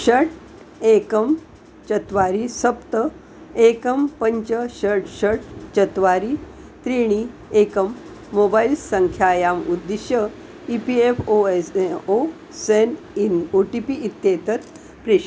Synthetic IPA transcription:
ɕəʈ | ekəm | t͡ɕət̪ʋaɾisəpt̪ə | ekəmpəɲt͡ɕəɕəʈɕəʈ̚t͡ɕət̪ʋaɾi | t̪ɾiɽ̃i | ekəmː | obailsəŋkʰjajamud̪ːiɕjə | ipiefoeso | sen | noʈipiʔit̪ːjet̪ət̪ | pɾeɕ

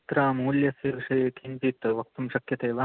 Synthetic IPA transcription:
t̪ɾaːmuːljɐsjɐʋiʂɐjek̪ʰinpit̪ʋɐk̚t̪umʃɐkjɐt̪eːʋa

